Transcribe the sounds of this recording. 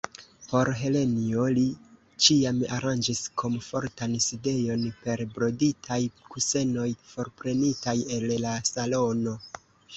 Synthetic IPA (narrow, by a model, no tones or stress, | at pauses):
po̞ɾɦe̞le̞nio̞li | t͡ʃiama̰ɾand͡ʒiskʰo̞mfo̞ɾtanside̞jo̞npe̞ɾbɾo̞ditʰajkuse̞no̞jfo̞ɾpɾe̞nitaje̞llasalo̞no̞